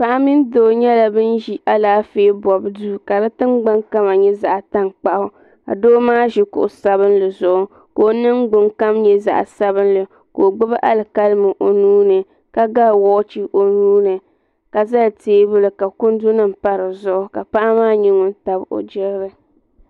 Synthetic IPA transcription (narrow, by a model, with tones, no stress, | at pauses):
pa˨ʔa˦mi˦n˦doː˨ɲɛ˦la˨bɨ˦nʒi˦ʔa˦laː˦feː˦bɔ˨bduː˦˨ka˨la˦tɨ˦ŋɡ͡ba˦ŋka˦ma˨ɲɛ˦za˨ʔa˨ta˦ŋk͡pa˦ʔʊ˦ | a̰˨doː˦maː˦ʒi˨kʊ̰˨ʔʊ˨sa˦βɨ˦nlɨ˨zʊ˨ʔʊ˦ | ko˨˦nɨ˦ŋɡ͡bʊ˦ŋka˦mɲɛ˦za̰˨ʔa̰˨sa˦bɨ˦nlɨ˨ | ko˨ɡ͡bɨ˦ba˦ʔa˦lɨ˨ka˦lmɨ˨ʔo˨nuː˦nɨ˨ | ka˦ɡa˦lwɔ˦t͡ʃi˦ʔo˨nuː˦nɨ˨ | ka˨za˦lteː˦bʊ˦lɨ˨ka˨kʊ˦n˦du˦nɨ˦m̩˦pa˦ɾɨ˨zʊ˦ʔʊ˦ka˨pa˦ʔa˦maː˦ɲi˦ŋʊ˦n˦ta˨bo̰˨d͡ʒɪ˦ɣɾɨ˦